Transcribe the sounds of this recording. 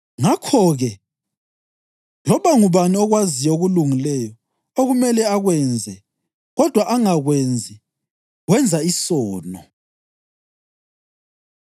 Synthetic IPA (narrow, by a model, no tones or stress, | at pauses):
ŋakʰɔɣɛ | lɔβaŋuβaniɔɣwazijɔoɣuluŋilɛjɔ | oɣumɛlɛaɣwɛnd͡zʱɛ | ɣɔd̥ʱwaʔaŋaɣwend͡zʱi | ɣwɛnd͡zʱaisɔːnɔ